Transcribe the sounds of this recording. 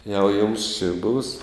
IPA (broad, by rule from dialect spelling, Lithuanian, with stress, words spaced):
jɛʊ jʊms t͡ʃʲɪ buːs